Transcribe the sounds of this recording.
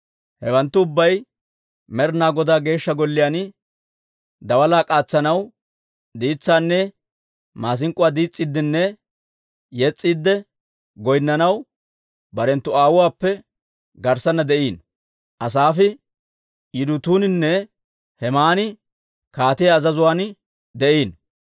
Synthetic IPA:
hɛwɐnt̪ːʊʊbːɐj | mɛɾnaːɡɔd̪aːɡe̞ːʃːɐɡɔlːɪjanɪ | d̪ɐwɐlaːkʼaːt͡sːɐnɐw | d̪iːt͡sːaːnːɛ | maːs̬ɪŋkʼʊwaːd̪iːt͡sʼːid̪ːɪnːɛ | jɛt͡sʼːiːd̪ːɛ | ɡɔjnːɐnɐw | bɐɾɛnt̪ːʊaːwʊwaːpːɛ | ɡɐɾsɐnːɐd̪ɛʔiːn | ʔɐs̬aːfɪ | jɪd̪ʊt̪uːnɪnːɛ | hɛmaːnɪ | kaːt̪ɪjaːzɐzʊwaːn | d̪ɛʔiːn

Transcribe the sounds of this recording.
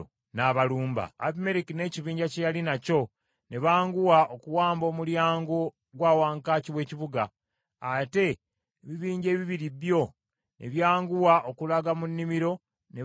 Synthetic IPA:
naβaluːmba̰ːpime̞ɾikine̞ːciβiːɲɟacejalinaco̞ | ne̞βaːŋɡuwaʔo̞kuwaːmbo̞ːmuljaːŋɡo | ɡwaːwaːŋkaːciwe̞ːciβuɡaː | te̞ | βiβiːɲɟe̞ːβiβiɾiβjo̞ | nʔe̞βjaːŋɡuwaʔokulaɡamunːimiɾo̞ | ne

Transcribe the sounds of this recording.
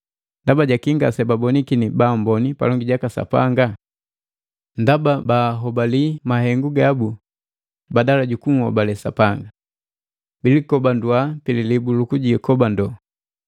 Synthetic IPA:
ndabaɟakiŋɡasɛbabɔnikinibambɔnipa̰lɔŋɡiɟakasa̰pa̰ŋɡa | ndababaɦɔbalimaɦɛŋɡuɡabu | badalaɟukuŋ̩hɔ̰balɛsa̰paŋɡa | bilikɔbandwapililibulukuɟikɔbandɔ

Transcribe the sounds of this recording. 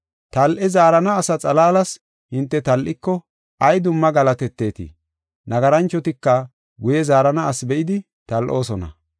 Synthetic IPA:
t̪ɐlʔɛzaːɾɐnɐːsɐt͡sʼɐlaːlɐs | hɪnt̪ːɛt̪ɐlʔɪkːɔ | ɐjd̪ʊmːɐɡɐlɐt̪ɛt̪ːe̞ːt̪ɪ̰ | nɐɡɐɾɐnt͡ʃːɔt̪ɪkːɐ | ɡʊjɛzaːɾɐnɐːsbɛʔɪd̪ɪ | t̪ɐlʔo̞ːsɔnɐ̰

